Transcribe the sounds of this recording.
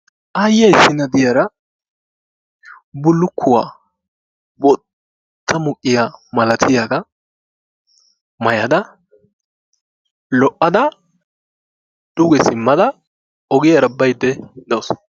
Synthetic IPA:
ʔɐjːɐjsːɪnɐd̪ɪjɐɾɐ | bʊlːʊkʰːʊwaː | bɔ | t̪ʰːɐmʊkʼːɪjamɐlɐt̪ʰɪjaɡɐ | mɐjɐd̪ɐ | lɔʔːɐd̪ɐ | d̪̥ʊɡɛsɪmːɐd̪ɐ | ɔɡɪjɐɾɐbɐjd̪ːɛd̪ɐwʊs

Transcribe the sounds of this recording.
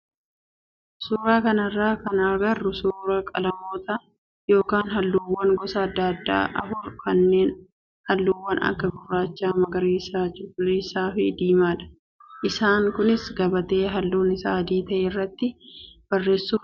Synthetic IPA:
suːɾaːkɐnɐrːaːkɐnɐɾɡɐrːʊsuːɾɐkʼɐ̰lɐmo̞ːt̪ɐ | jo̞ːkaːnɦɐlːuːwːɐŋɡɔsɐːd̪ːɐd̪ːa̰ːʔɐ̰fʊɾkɐnːe̞ːn | hɐlːuːwːɐnɐ̰kːɐɡʊrːaːt͡ʃːaːmɐɡɐɾeːsaːd͡ʒʊɡʊliːsaːfɪd̪iːmaːᶑ̪ɐ̥ | ʔɪsaːŋkʊnɪsɡɐbɐt̪e̞ːɦɐlːuːnɪsaːd̪iːt̪ɐʔeːrːɐt̪ːɪb̥ɐrːe̞ːsːuːf

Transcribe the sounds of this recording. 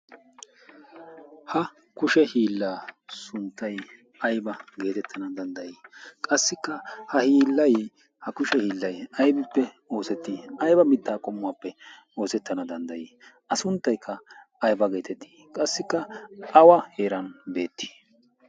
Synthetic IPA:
hɐ | kʊʃɛhiːlːaːsʊnt̪ːɐj | ɐjbɐɡe̞ːt̪ɛt̪ʰːɐnɐd̪ɐnd̪ɐjiːkʼɐsːɪkːɐhɐhiːlːɐj | hɐkʊʃɛhiːlːɐjɐjbɪpːɛ | o̞ːsɛt̪ːiɐjbɐmɪt̪ːaːkʼɔmːʊwaːpːɛ | o̞ːsɛt̪ːɐnɐd̪ɐnd̪ɐjiːʔɐsʊnt̪ːɐjkʰːɐː | jbɐɡe̞ːt̪ɛt̪ʰːi̥kʼɐsːɪkːɐʔɐwɐheːɾɐnbe̞ːt̪ːi̥

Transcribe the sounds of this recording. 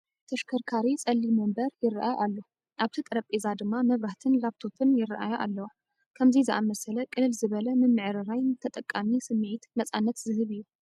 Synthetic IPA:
t̪ʰɐʃkʰɐɾkʰaɾit͡sʼɐlːimombɐɾjɪrːa̰ʔajʔalːo | ʔaβt̪ʰit̪ʼɨɾɐpʼːezad̪ɨmːamɐβɾaht̪ʰɨnlaβt̪ʰo̞fɨnjɪrːɐ̰ʔa̰jɐʔa̰lːɐwa | kʰɐmzizɨʔa̰mɐsɐlɐkʼɨlɨlzɨβɐlɐmɨmːɨʕɾɨɾajt̪ʰɐt̪ʼɐkʼːamisɨmːʕit̪nɐt͡sʼanːɐt̪zɨhɨβɨjːu

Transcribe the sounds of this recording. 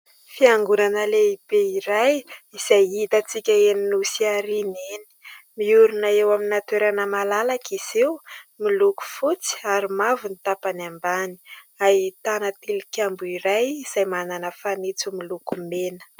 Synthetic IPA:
fiaŋɡunanəleib̥eiɾajiz̥ajit̪at͡sikʲəeninusiaɾineni̥miuɾunaewaminat̪weɾanəmalalakiz̥ewmiluku̥fut͡si̥aɾimavunit̪apanambani̥ | at̪anat̪ilikʲambuiɾajiz̥ajmananəfanit͡sumilukumenə̥

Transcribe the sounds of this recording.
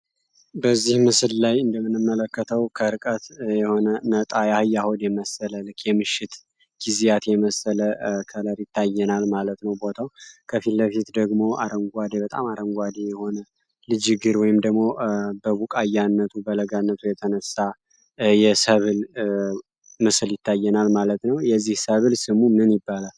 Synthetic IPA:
bəzːihmɨsɨllajɨnd̪əmːɨnːɨmːələkːət̪ʰəwkʰəɨɾɨkʼət̪jɛho̞nənət̪ʼajahɨjːahonjɛməsələlɨkːjɛmɨʃːɪt̪ | ɡ̥izijat̪jɛməsələkʰələɾjɪt̪ʰːajːɛnalmalət̪nəwbo̞t̪ʰawkʰəfilːəfit̪d̪əɡmo̞aɾəŋɡʷad̪ebət̪ʼa̰maɾəŋɡʷad̪ejɛho̞nə | lɨd͡ʒɪɡɨɾwɔjɪmd̪əɡmo̞bəβukʼajːanːət̪ʰubələɡanːət̪ʰujɛt̪ʰənəsːa | jɛsəβɨl | mɨsɨljɪt̪ʰːajːɛnalmalət̪nəwjɛzːihsəβɨlsɨmumɨnɨnjɪbːalal

